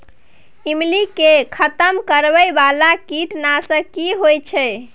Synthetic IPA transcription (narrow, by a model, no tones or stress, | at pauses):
imlikekʰət̪əmkəɾbəjbalakiʈnasə̃kiɦojt͡ʃʰɛ